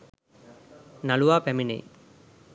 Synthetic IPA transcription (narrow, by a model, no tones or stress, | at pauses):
nɐluʋaːpɛminḛj